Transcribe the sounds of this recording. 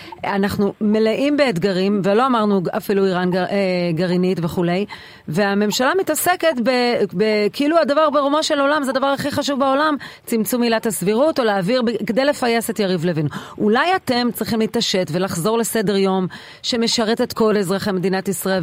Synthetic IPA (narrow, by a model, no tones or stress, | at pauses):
anaχnume̞leʔimbe̞ːd̪ɡaʁimvelo̞amaʁnuafiluiʁaneɡaʁinitve̞χule̞j | ve̞ame̞mʃalamitase̞ke̞tbebekiiluadavaʁbeʁumoʃelolamzɛadavaʁaχiχaʃuvbaolamt͡simt͡sumilathasviʁuto̞leaːviʁbeked̪ejle̞fajesetjaʁivlevinuʔulajate̞mt͡sʁiχimlit̪aʃe̞tve̞laχzo̞ʁle̞se̞de̞ʁjo̞m | ʃe̞me̞ʃaʁete̞tko̞lezʁaχemed̪inat̪isʁael